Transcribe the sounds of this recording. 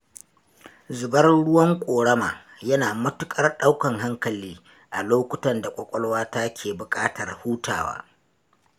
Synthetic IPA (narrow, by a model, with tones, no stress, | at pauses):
zʊ˨bɐ˦rɽʊ˦wɐ˦ŋkʷʼoː˨ɽɐ˦ma̰ː˨ | jɐ˦naː˨mʊ˦tʊ˦kʼɐ˦rɗa˦wkɐ˨ŋɦa˦ŋkɐ˨liː˦ | ʔa˨loː˦kʷʊ˨tɐ˨nda˨kʷʼɔ˨kʷʼɔ˦lwaː˦ta˦kʲʰeː˨bʊ˨kʼaː˦tɐ˨rhuː˦ta̰ː˨wa̰ː˦